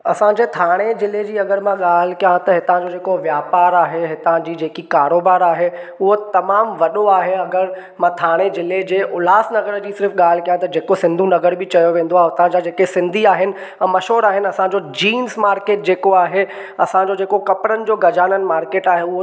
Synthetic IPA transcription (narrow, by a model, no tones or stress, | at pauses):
ɐsãd͡ʑeːt̪ʰaːɽ̃ezɪled͡ʑiːɐɡəɾmãɠaːlɪkijãt̪ɐɦɪt̪ãd͡ʑod͡ʑeːkoʋjaːpaːɾaːɦeɦɪt̪ãd͡ʑiːd͡ʑeːkikaːɾoːbaːɾaːɦeʊɦot̪ɐmaːmʋɐɗoaːɦeɐɡəɾ | mãt̪ʰaːɽ̃ezɪled͡ʑeːʔʊlaːsnɐɡəɾd͡ʑiːsɪɾfɠaːl̤ɪkijãt̪ɐd͡ʑeːkosɪ̃nd̪ʱũnɐɡəɾbʱɪt͡ɕɐjoʋẽːn̆d̪oaɦɦʊt̪ãd͡ʑad͡ʑeːkesɪ̃nd̪ʱiaːɦɪnɪ̆ | mɐʃɦoːɾaːɦɪnɪɐsãɲd͡ʑod͡ʑiːmzmaːɾkeːʈ̚d͡ʑeːkoaːɦe | ɐsãɲd͡ʑod͡ʑeːkokɐpɾənɪ̆d͡ʑoːɡɐd͡ʑaːnənɪ̆maːɾkeːʈaːɦeʊɦo